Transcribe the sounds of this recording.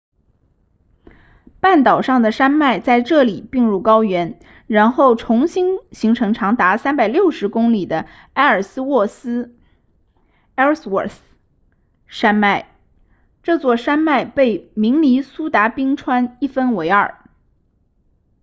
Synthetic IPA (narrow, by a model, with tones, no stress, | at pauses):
pa˥˩nt̪ɑ˨˩ʊʂɑ˥˩ŋd̪ə˩ʂa˥nma˥˧ɪt͡sa˥˧ɪʈ͡ʂɤ˥˩li˨˩pi˥˧ŋɻu˥˩kɑ˥ʊɥɛ˧˥n | ɻa˧˥nxo˥˩ʊʈ͡ʂʰʊ˧˥ŋɕi˥nɕi˧˥ŋʈ͡ʂʰɤ˧˥ŋʈ͡ʂʰɑ˧˥ŋt̪a˧˥sa˥npa˨˩ɪljo˥˩ʊʂɻ̩˧˥kʊ˥ŋli˨˩d̪ə˦ | a˥ɪə˞˨˩sɹ̩˥wɔ˥˩sɹ̩˥ | ɛ˥swɔ˥˨˩θ | ʂa˥nma˥˩ɪ | ʈ͡ʂɤ˥˧t͡swɔ˥˩ʂa˥nma˥˧ɪpe˥˩ɪmi˧˥ŋli˧˥su˥t̪a˧˥pi˥ŋʈ͡ʂʰwa˥ni˥˩fə˥nwe˧˥ɪə̰˞˨˩